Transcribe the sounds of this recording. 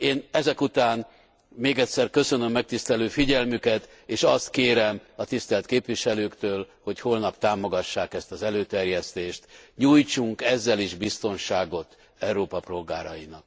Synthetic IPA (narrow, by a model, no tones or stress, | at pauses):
eːnɛzɛkut̪aːn | meːɡɛt̪ʲsɛrkø̞sø̞nø̞mːɛk̚t̪ist̪ɛløːfiɟɛlmykɛt̪ | eːʃɒst̪keːɾɛmɒt̪ist̪ɛlt̪keːpʋiʃɛløːkt̪øːlho̞cho̞lnɒpt̪aːmo̞ɡɒʃːaːkɛst̪ɒzɛløːt̪ɛrjɛst̪eːʃt̪ɲuːjt͡ʃuŋkɛzːɛliʒbist̪o̞nʃaːɡo̞t̪ | ɛuɾoːpɒpro̞lɡaːɾɒjinɒk̚